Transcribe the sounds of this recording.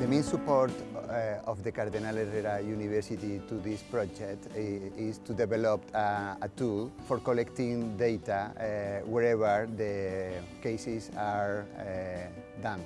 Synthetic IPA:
d̪emẽnsupoɾt̪ɔfðekaɾðinalereɾajunivɛɾsit̪it̪uðispɾɔd͡ʒekt̪ist̪ud̪ebelopaːt̪ulfoɾkolekt̪ĩŋd̪ejt̪aweɾɛβəɾðekejsisaɾ | d̪ãm

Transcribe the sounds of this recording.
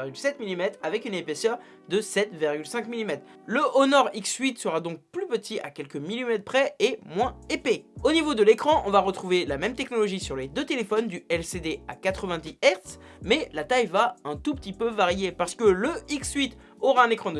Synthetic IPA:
ʁɡʲylsɛt̪milimɛt̪χavɛkynepesœʁ | d̪əsɛt̪viʁɡʲylsɛ̃kmilimɛt̪χ | ləʔonɔʁiksɥit̪səʁad̪ɔ̃k̚plypət̪ʰiʔa̰kʲɛlkəmilimɛt̪χpχɛemwɛ̃epeonivod̪əlekχɑ̃ʔɔ̰̃vaʁət̪χuvelamɛmt̪ɛknɔlɔʒisyʁled̪øt̪elefɔnd̪yɛlsed̪ea̰kat̪χəvɛ̃d̪iɛʁt̪s | mɛlat̪ajvaɛ̃t̪upə̥t̪ipøvaʁjepaʁsə̥kələiksɥit̪ | ɔʁaɛ̃nekχɑ̃ə

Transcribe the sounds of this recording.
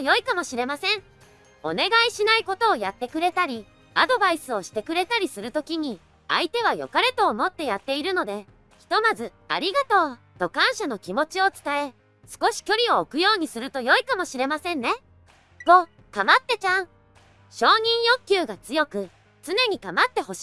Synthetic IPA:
jo̞ikamo̞ɕiɾe̞masẽ̞ɴ | o̞̰ne̞ɡaiɕinaiko̞t̪o̞ːjat̪ːe̞kɯ̟ɾe̞t̪aɾʲi | ad̪o̞baisɨo̞ɕi̥t̪e̞kɯ̟ɾe̞t̪aɾʲisɨɾɯ̟t̪o̞kʲiɲ̟i | a̰it̪e̞β̞ajo̞̰kaɾe̞t̪o̞ːmo̞t̪ːe̞jat̪ːe̞iɾɯ̟no̞d̪e̞ | çʲi̥t̪o̞mazɨ | a̰ɾʲiɡat̪o̞ː | t̪o̞kãɰ̃ɕano̞kʲimo̞t͡ɕio̞t͡sɨ̥t̪ae̞ | sɨ̥ko̞ɕi̥kʲo̞ɾʲio̞ːkɯ̟jo̞ːɲ̟isɨɾɯ̟t̪o̞jo̞ikamo̞ɕiɾe̞masẽ̞nːe̞ | ɡ̥oː | kamat̪ːe̞t͡ɕãɰ | ɕo̞ːɲ̟ĩɰ̃jo̞kʲːɨːɡat͡sɨjo̞kɯ̟ | t͡sɨne̞ɲ̟ikamat̪ːe̞ho̞ɕi̥

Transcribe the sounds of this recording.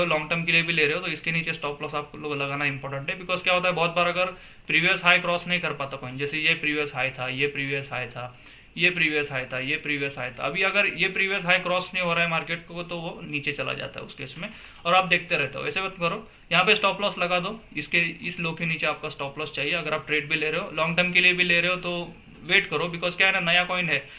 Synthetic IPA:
olɔ̃ːŋʈəɾmkeliebʱileɾeɦot̪oɪskeniːt͡ʃesʈɔːplɔːsaːp̚koloːɡlɐɡaːnaɪ̃mpɔːɾʈə̃ɳʈɦɛbɪkɔːzkjaːɦoːt̪aɦɛbɔːt̪̚baːɾɐɡəɾ | pɾiːʋijəsɦaːjkɾɔːsnɐɦĩkɐɾpaːt̪akoːɦind͡ʒɛːsejepɾiːʋjəsɦaːit̪ʰajepɾiːʋijəsɦaːjt̪ʰa | jepɾiːʋijəsɦaːjt̪ʰajepɾiːʋijəsɦaːjt̪ʰa̰ɐ̰bʱiɐɡəɾjepɾiːʋijəs̬ɦaːikɾɔːsnɐɦĩɦoːɾaːɦɛmaːɾkeːʈ̚koot̪oʋoniːt͡ʃet͡ʃɐla̰d͡ʒa̰ːt̪a̰ɦɛ̰ʊ̰skeːsmẽ | ɔːɾaːp̚d̪eːkʰt̪eɾɛɦt̪eɦo̰ʋɛ̰ːsebɐt̪kɐɾoː | jɐɦãpesʈɔːplɔːslɐɡad̪oːɪskeɪsloːɡkeniːt͡ʃeaːp̚kasʈɔːplɔːst͡ʃaːɦieɐɡəɾaːp̚ʈɾeːɖ̚bʱileɾɐɦolɔ̃ːŋɡʈəɾmkeliebʱileɾɐɦot̪o | ʋeːʈkɐɾobɪkɔːzkjaɦɛnanɐjakɔːɪ̃nɖɦɛː

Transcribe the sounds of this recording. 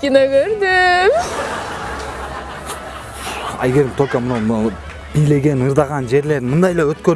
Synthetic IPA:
kʲinoɡʲøɾd̪ɪ | æɡʲe̞ɾt̪ʰojʲkomənɑwm | b̥ijle̞ɡʲe̞nɯɾd̪ɑʁɑnd͡ʒe̞ɾle̞ɾɪmənd̪ɑjlˠɑwɵt̪kʲøɾ

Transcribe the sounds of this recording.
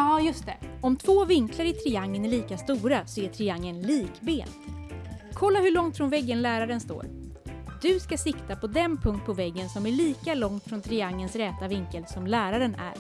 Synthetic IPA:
ɑːjɵst̪ɛɔmt̪ʰvoːvɪŋklaɾɪt̪ʰɾɪaŋːənæɭiːkast̪uːɾasɔɛʈʰɾɪaŋːənliːkbeːn | kʰɔlːaɦɵɭɔŋt̪fɾɔnvɛɡːənlæːɾaɾənst̪o̰ːɾ | d̪̥ɵskasɪkt̪apʰɔd̪ɛnpʰɵŋkt̪̚pʰɔvɛɡːənsɔmæɭiːkalɔŋt̪fɾɔnt̪ʰɾɪaŋːənsɾɛːt̪avɪŋkəlsɔmlæːɾaɾənæ̰ɾ

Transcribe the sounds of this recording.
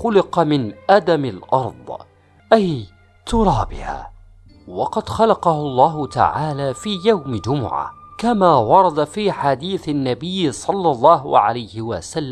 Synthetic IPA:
xʊlɪqɑmɪnʔad̪amalʔɑɾˤd̪ˤ | ʔaj | t̪ʊɾˤɑːbɪ̰ha̰ː | wɑqɑd̪xɑlɑqɑhʊlˤːɑːɦʊt̪a̰ʕaːlaːfiːjawmd͡ʒʊmʊ̰ʕa̰kamaːwɑɾˤɑd̪afiːħad̪iːθanːabɪjːsˤɑlːɑlˤːɑːɦʕa̰lajhɪwa̰salː

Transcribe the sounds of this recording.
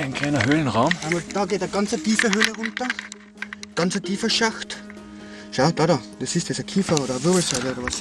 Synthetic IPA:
ɪnkʰl̥æɪnɐɦøːlən̩ʁaʊmamɑd̥ɑːɡeːtɐɡɑnt͡sətiːfəɦøːləʁʊntɐ | ɡ̥ɑnt͡sətʰiːfəʃaxt | ʃaʊd̥ɑːdɑːd̥esɪstɛsɐkʰiːfɐoːɾɐːvɪɐbl̩sɔɪləoːɾɐʋɑs

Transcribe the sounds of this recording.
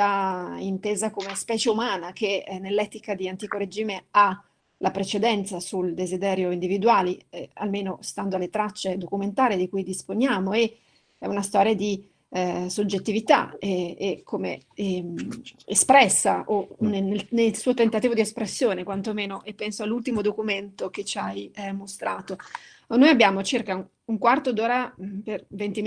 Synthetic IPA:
aint̪eːzakomespɛːt͡ʃeumaːnak̟enelːɛt̪ikad̪iant̪iːkoɾed͡ʒiːmea | lapɾet͡ʃed̪ɛnt̪sasuld̪ezid̪ɛːɾjoind̪ivid̪uaːliɛa̰lmeːnost̪and̪oalet̪ɾat͡ʃːed̪okument̪aːɾed̪ikujd̪ispoɲjaːmoe | ɛunast̪ɔːɾjad̪i | sod͡ʒːet̪ːivit̪a̰ɛekʰːomḛ | espɾɛsːaʔonenelnelsuːot̪ent̪at̪iːvod̪iespɾesːjoːnekwant̪omeːnoʔepːɛnsoalːult̪imod̪okument̪ok̟et͡ʃːajmost̪ɾaːt̪o | nojabːjaːmot͡ʃirka | uŋkwart̪od̪oːɾapervent̪i

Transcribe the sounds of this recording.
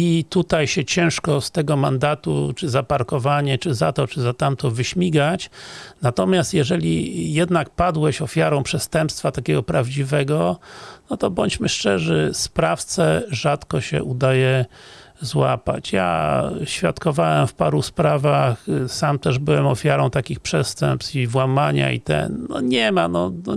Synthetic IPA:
it̪ut̪ajɕɛt͡ɕɛ̃w̃ʂkɔst̪ɛɡɔmand̪at̪ṵt͡ʂɘzapaɾkɔvaɲɛt͡ʂɘzat̪ɔt͡ʂɘzat̪amt̪ɔvɘɕmʲiɡat͡ɕnat̪ɔmʲjast̪jɛʐɛlʲḭjɛd̪nak̚pad̪wɛɕɔfʲjaɾɔ̃w̃pʂɛst̪ɛmpst̪fat̪akʲɛɡɔpɾavd͡ʑivɛɡɔnɔt̪ɔbɔɲt͡ɕmɘʂt͡ʂɛʐɛspɾaft̪sɛʐat̪kɔɕɛ̰ʔud̪ajɛ | zwa̰pa̰t͡ɕja̰ɕfʲjat̪kɔvawɛmfpaɾuspɾavaxsamt̪ɛʐbɘwɛmɔfʲjaɾɔ̃w̃t̪akʲixpʂɛst̪ɛ̰mpsivwamaɲa̰ḭt̪ɛ̰nnɔ̰ɲɛmanɔnɔ

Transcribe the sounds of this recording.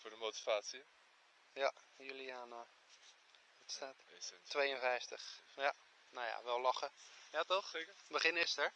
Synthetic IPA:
fʊːɹdəmowti̥vaːtsi | jajyliaːna | ətstaːttːʋejənvɛjftəχja | naja̰ʋɛlˠlɑχəjatɔχbəχɪnɪstəɹ

